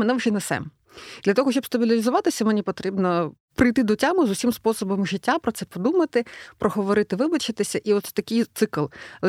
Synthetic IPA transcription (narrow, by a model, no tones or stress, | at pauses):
mɛnɛʋʒɛnɛsɛ̰m | d̪lʲɐt̪ɔɦɔʃt͡ʃɔbst̪ɐbʲɪlʲɪlʲɪzʊʋɑt̪ɪsʲɐmenʲipɔt̪ɾʲibnɔ | pɾɪjt̪ɪd̪ɔtʲamʊzʊsʲimspɔsɔbɔmʒɪtʲːapɾɔt̪sɛpɔd̪umɐt̪ɪpɾɔɦɔʋɔɾɪt̪ɪʋɪbɐt͡ʃɪt̪ɪsʲɐʔiɔt̪sɛ̥t̪ɐkɪjt̪sɪklˠ